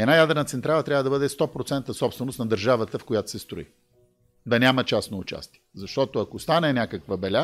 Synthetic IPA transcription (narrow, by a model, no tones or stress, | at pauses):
ɛd̪najad̪ɾɛnət̪sɛnt̪ɾalˠət̪ɾʲavəd̪ɐbɤd̪ɛst̪ɔpɾot̪sɛnt̪əsɔpst̪vɛnost̪nɐd̪əɾʒavət̪əfkojat̪o̥sɛst̪ɾoḭ | d̪ɐnʲamət͡ʃasnoʊt͡ʃa̰st̪iɛzɐʃt̪ɔt̪oɐkost̪anɛnʲakəkvəbɛlʲa